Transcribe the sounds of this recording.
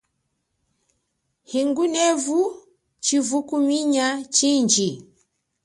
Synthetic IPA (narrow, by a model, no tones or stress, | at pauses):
hiŋɡunɛvu | t͡ʃivukumiɲat͡ʃiɲd͡ʒi